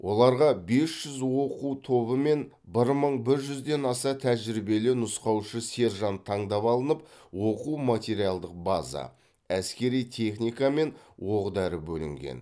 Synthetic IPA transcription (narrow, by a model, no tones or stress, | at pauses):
wʔo̞lˠɑɾʁɑbe̞sʒ̥ʏzwo̞qut̪ʰo̞bəme̞n | bɪɾməɴbɪɾʒʏzd̪e̞nɑsɑt̪ʰæʒɾɪbe̞lɪnʊsqɑwʃəse̞ɾʒɑnt̪ʰɑɴd̪ɑpɑlˠənəp̚wo̞quwmat̪ʲe̞ɾijalˠd̪əq̚bazɑ̰ | æskʲe̞ɾijt̪ʲʰe̞χnʲijkɑme̞nwoʁd̪ɑɾəbɵlɪ̰ŋɡʲḛn